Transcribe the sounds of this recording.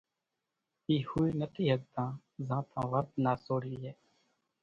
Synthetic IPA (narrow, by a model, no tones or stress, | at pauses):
iːhuiːnəʈ̪iːɦək̚t̪ãː | zãːt̪ʰãːʋəɾd̪naːsoːɾiːɦeː